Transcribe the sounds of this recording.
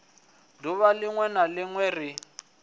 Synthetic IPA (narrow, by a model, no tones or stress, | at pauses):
duβalɪŋwɛnalɪŋwɛrɪ